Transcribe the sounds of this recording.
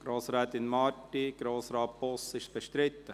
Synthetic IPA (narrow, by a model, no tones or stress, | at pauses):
ɡ̥ɾoːsɾaːt̪ɪnmɑtiɡ̥ɾoːsɾɑːt̚b̥ɔsɪʃbəʃtɾɪt̪ːə